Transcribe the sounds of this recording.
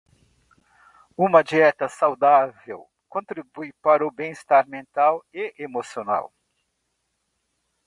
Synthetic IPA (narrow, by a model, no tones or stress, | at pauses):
ũmɐd͡ʒiɛt̪ɐsawd̪avḛw | kõnt̪ɾibujpaɾʊbẽj̃ist̪aɾmẽnt̪aweemosiona̰w